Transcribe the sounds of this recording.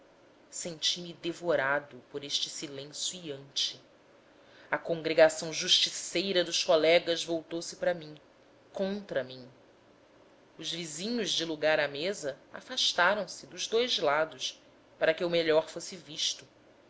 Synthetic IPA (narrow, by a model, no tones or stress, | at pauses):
sẽnt͡ʃimɪd̪evoɾad̪ʊpoɾeʃt͡ʃɪ̥silẽsjuiɐ̃nt͡ʃɪ | ɐkõŋɡɾeɡasɐ̃w̃ʒuʃt͡ʃisejɾɐd̪ʊʃkolɛɡɐzvowt̪owsɪpɾɐmĩŋ | kõnt̪ɾɐmĩ | ʊzvizĩɲʊʒd͡ʒɪluɡaɾɐmezɐa̰faʃt̪aɾɐ̃w̃sɪd̪ʊʒd̪ojzlad̪ʊʃ | paɾɐkɪewmeʎɔɾfosɪviʃt̪ʊ